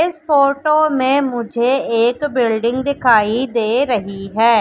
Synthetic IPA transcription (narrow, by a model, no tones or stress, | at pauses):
ɪspʰoːʈoːmẽːmʊd͡ʒʱeːeːkbɪlɖɪ̃ŋɡd̪ɪkʰaːiːd̪eːɾəɦiːɦɛː